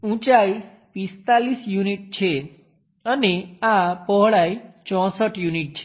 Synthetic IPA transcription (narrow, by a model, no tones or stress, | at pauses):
ũt͡ʃai | pist̪alisjuniʈ̚t͡ʃʰe | əneapɔɦɭait͡ʃɔ̃səʈjuniʈ̚t͡ʃʰe̥